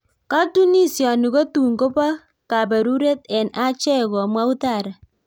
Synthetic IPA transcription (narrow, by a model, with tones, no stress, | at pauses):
ka˦tu˦ni˦sjɔ˨ni˨ko˦tu˨ŋɡo˦ba˦ | ka˨bɛ˨ɾu˦ɾe˦tɛ˨na˦t͡ʃɛ˦ɣɔ˨mwa˦u˦ta˦˨ɾa˨